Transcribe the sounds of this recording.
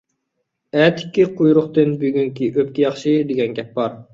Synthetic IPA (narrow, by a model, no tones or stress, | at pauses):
æt̪ʰɪ̥kʲːiqʰujɾʊχt̪ɨnbyɡʲyŋkʲiʔøp̚kʲijɑχʃɨd̪eɡʲɛnɡʲɛp̚bɑɾ